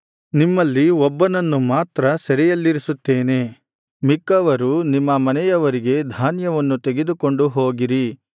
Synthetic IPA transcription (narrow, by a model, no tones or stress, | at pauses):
nimːɐlːiɔbːɐnɐnːumaːt̪ɾɐsɐɾɛjɐlːiɾisut̪ːeːne̞ | mikːɐʋɐɾunimːɐmɐnɛjɐʋɐɾiɡe̞d̪ʱaːnjɐʋɐnːut̪e̞ɡe̞d̪uko̞ɳɖuɦo̞ːɡiɾi